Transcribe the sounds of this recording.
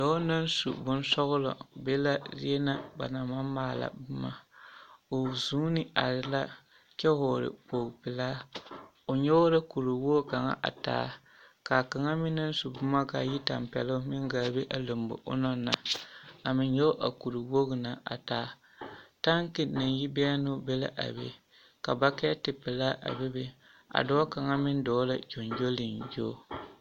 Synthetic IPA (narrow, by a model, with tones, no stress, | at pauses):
dɔ˨˦na˦n˦sṵ˨bʊ˦n˦sɔ˦ɣʊ˦lɔ̰˨be˦la˦ɾɪ˦ɛ˦na˦ba̰˨na˨ma˦maː˦˨la̰˨bʊ˦ma˦ | o˨zuː˦nɪ˦a˨ɾɪ˨la˦ | t͡ʃɛ˦ɦoː˨ɾɪ̰˨poː˨ɡpɪ˨laː˦ | o˨ɲɛ˦o˦ɾa˦ku˨ɾi˨wo˦˨ka˨ŋa̰˦ʔa̰˨ta̰ː˨˦ | ka˨ka˨ŋa˦mɪ˦nːɨ˦n˦su˨bʊ˦ma˦ka˨ji˦ta˨mpɛ̰˨lʊ˦mɪ˦ŋ˦ɡaː˨˦˨be˦ʔa˨lo˨mbʊ̰˨ʔʊ̰˦nɔ˦na˨a˨mɪ˨ɲɲɛ˦ʔa̰˨ku˨ɾu˨wo˦ɡna˨a̰˨taː˦ | ta˦ŋ˦ki˨na˨nji˦bɛ˦a˦nʊ˦be˦la̰˦ʔa̰˨bḛ˨ | ka˨ba˦kɛ˦a˦tɪ˨pɪ˨laː˦ʔa̰˨be˦be˦ | a̰˨dɔ˦a˦ka˨ŋa˦mɪ˦n˦dɔː˨˦la̰˨d͡ʒo˨nd͡ʒo˦lɪ˨njoː˦˨